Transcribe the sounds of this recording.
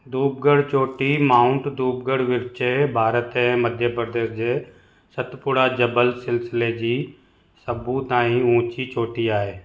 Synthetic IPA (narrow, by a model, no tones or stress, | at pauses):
d̪uːb̚ɡəɽt͡ʃoːʈiːmaːʊɳʈd̪uːb̚ɡəɽʋɪɾt͡ʃebʱaːɾət̪ɦɛ̃məd̪ʱjəpəɾd̪eːsd͡ʒeː | sət̪pʊɽaːd͡ʒəbəlsɪlsɪleːd͡ʒiː | səbũt̪ãːĩũːt͡ʃit͡ʃoːʈiaːeː